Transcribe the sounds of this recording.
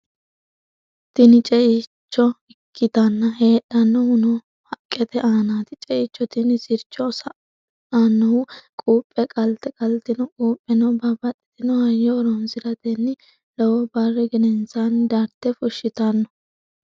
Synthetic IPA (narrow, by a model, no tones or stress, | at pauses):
t̪ɪnɪt͡ʃʼɛʔɪt͡ʃːɔɪkʰːɪt̪ɐnːɐhe̞ːɗːɐnːɔhʊnɔ | hɐkʼːɛt̪ɛʔaːnaːt̪ɪt͡ʃʼɛʔɪt͡ʃːɔt̪ɪnɪsɪɾt͡ʃːɔsɐ | anːɔʊkʼuːpʼːɛkʼɐlt̪ɛkʼɐlt̪ɪnɔkʼuːpʼːɛnɐbɐbɐtʼːɪ̥t̪ɪnɔhɐjːɔːɾɔnsɪɾɐd̪ɛnːɪ | lɛwɔbɐrːɛɡɪnɛnsand̪ɐɾt̪ːɛfʊʃːɪt̪ɐnːɔ